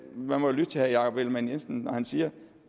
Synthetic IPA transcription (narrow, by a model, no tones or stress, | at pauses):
mænmɒlyd̥̚t͡sʰe̝hæjɑ̈ːkʰɒb̥elmænjensn̩nɒhænsiːɐ